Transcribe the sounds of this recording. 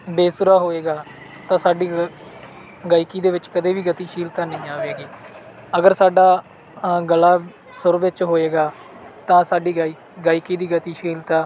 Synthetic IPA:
beːsʊɾaːɦoːeːɡaː | t̪ãːsaːɖiː | ɡaːikiːd̪eːʋɪt͡ʃkəd̪eːʋiːɡət̪iːʃiːlt̪aːnəĩːaːʋeːɡiː | əɡəɾsaːɖaː | ɡəlaː | sʊɾʋɪt͡ʃɦoːeːɡaː | t̪ãːsaːɖiː | ɡaːikiːd̪iːɡət̪iːʃiːlt̪ãː

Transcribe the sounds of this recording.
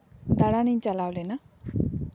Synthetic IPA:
d̪aɾaniɲt͡ʃalawlena

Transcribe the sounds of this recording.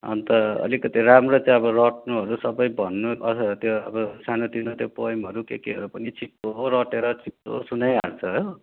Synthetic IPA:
ʌ̰nt̪ʌʌ̰likʌt̪iɾamrot͡saĩʌbʌrʌʈnuɦʌɾusʌbʌjbʱʌnːuʔʌt̪joʌbʌsanot̪inʌt̪jopojmʌɾukekiɦʌɾupʌnit͡sʰip̚t̪oɾʌʈeɾʌt͡sʰip̚t̪o̰sunʌjart͡sʰʌɦo

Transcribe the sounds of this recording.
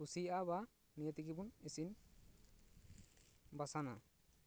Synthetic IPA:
usijaba | nijat̪ikibunesin | basana̰

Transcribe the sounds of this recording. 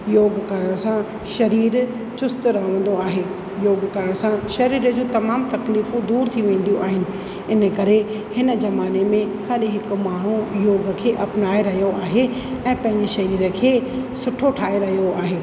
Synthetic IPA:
joːɡkɐɾəɽ̃sã | ʃɐɾiːɾ | t͡ɕʊst̪ɾɐɦəʋə̃n̆d̪oaːɦeː | joːɡkəɾəɽ̃sãʃɐɾiːɾəd͡ʑũːt̪ɐmaːmt̪ɐkliːfũd̪uːɾt̪ʰiʋẽːn̆d̪ijũʔaːɦɪnɪ̆ | ɪnə̆kɐɾe | hɪnə̆zɐmaːnemẽhɐɾɦɪk̆maːɽ̤ũjoːɡkʰeːʔɐpnaːeɾɐɦijoaːɦeɛ̃ːpɐ̃ɦɪ̃ɲd͡ʑeʃɐɾiːɾəkʰeːsʊʈʰoʈʰaːɦeɾɐɦijoaːɦeː

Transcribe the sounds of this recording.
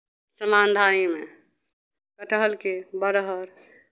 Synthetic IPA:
səmand̪ʱaimḛ | kəʈəɦəlkebəɾəɦəɾ

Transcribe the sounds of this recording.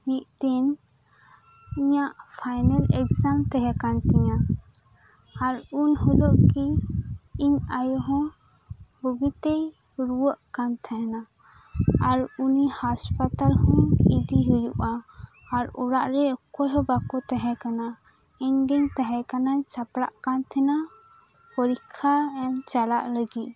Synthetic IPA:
mit̪̚t̪ɛn | iɲaʔpʰajnalɛkzamt̪ɛɦɛkant̪ɛɲa | aɾunhulɔʔki | iɲajɔɦɔ̃ | buɡit̪ɛj | ɾuwəʔkant̪ʰɛɦɛna | aɾunihaspat̪alhɔ̃id̪iɦijuʔaː | ɾṵɾaʔɾɛɔkːɔjɦɔ̃bakɔt̪ɛɦɛkana | ɛɲɡɛɲt̪aɦɛkanaɲsapɾa̰ʔkant̪ʰɛna | pɔɾikʰːaɛmt͡ʃalaʔləɡiʔ

